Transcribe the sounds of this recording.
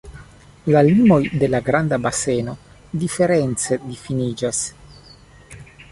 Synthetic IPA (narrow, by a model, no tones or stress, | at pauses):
lalimo̞jd̪e̞laɡɾand̪abaseno̞ | d̪ife̞ɾent͡se̞d̪ifinid͡ʒas